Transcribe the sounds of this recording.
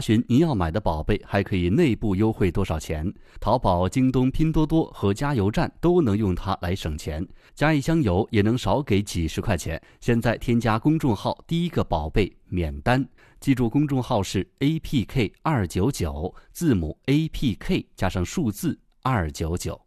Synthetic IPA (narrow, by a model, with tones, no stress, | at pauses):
ɕi˧˥ni˧˥jɑ˥˩ʊma˨˩ɪd̪ə˦pɑ˨˩ʊpe˥˩ɪxa˧˥ɪkʰɤ˧˥i˨˩ne˥˧ɪpu˥˩jo˥ʊxwe˥˩ɪt̪wɔ˥ʂɑ˨˩ʊt͡ɕʰjɛ̰˧˥n | t̪ʰɑ˧˥ʊpɑ˨˩ʊt͡ɕi˥ŋt̪ʊ˥ŋpʰi˥nt̪wɔ˥t̪wɔ˥xɤ˧˥t͡ɕja˥jo˧˥ʊʈ͡ʂa̰˥˩nt̪o˥ʊnɤ˧˥ŋjʊ˥˩ŋt̪ʰa̰˥lʔa˧˥ɪʂɤ˨˩ŋt͡ɕʰjɛ˧˥n | t͡ɕja˥i˥˩ɕjɑ˥ŋjo˧˥ʊjɛ˨˩nɤ˧˥ŋʂɑ˧˥ʊke˧˥ɪt͡ɕi˨˩ʂɻ̩˧˥kʰwa˥˩t͡ɕʰjɛ̰˧˥n | ɕjɛ˥˧nt͡sa˥˩ɪt̪ʰjɛ˥nt͡ɕja˥kʊ˥ŋʈ͡ʂʊ˥˧ŋxɑ˥˩ʊt̪i˥˩i˥ɡə˧pɑ˨˩ʊpe˥˩ɪ | mjɛ˨˩nt̪a˥n | t͡ɕi˥˧ʈ͡ʂu˥˩kʊ˥ŋʈ͡ʂʊ˥˧ŋxɑ˥˧ʊʂɻ̩˥˩e˥ɪpʰi˥˧kʰe˥˩ɪɐ˞˥˩t͡ɕjo˧˥ʊt͡ɕjo˨˩˦ʊt͡sɹ̩˥˩mu˨˩˦e˥ɪpʰi˥˧kʰe˥˩ɪt͡ɕja˥ʂɑ˥˧ŋʂu˥˧t͡sɹ̩˥˩ | a˞˥˩t͡ɕjo˧˥ʊt͡ɕjo˨˩˦ʊ